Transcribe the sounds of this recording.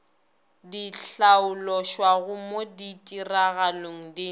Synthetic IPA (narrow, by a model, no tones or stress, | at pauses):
diɬaʊlɔʃwaɣʊmoditʼiraɣaloŋ̩dɪ